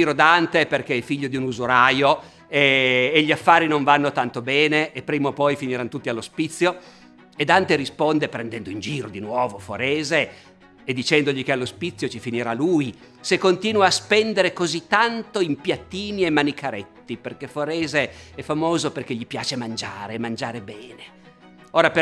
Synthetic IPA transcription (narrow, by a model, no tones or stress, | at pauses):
iɾod̪ant̪eperk̟eɛfiʎːod̪iunuzuɾaːjo | eːʎːiafːaːɾinoɱvanːot̪ant̪obɛːneʔːpːɾiːmopɔjfiniɾanːot̪ut̪ːialːospit̪sːjo | ed̪ant̪eɾispond̪epɾɛnd̪ɛnd̪oind͡ʒiːɾod̪inwɔːvofoɾeːzeː | d̪ːit͡ʃɛnd̪oʎikealːospit̪sːjot͡ʃifiniɾaluːj | sekːont̪iːnwaːspɛnd̪eɾekozit̪ːant̪oimpjat̪ːiːniemːanikʰaɾet̪ːiperkefoɾɛːzeɛfːamoːzoperkeʎipjaːt͡ʃemand͡ʒaːɾemand͡ʒaːɾebɛːne | oːɾap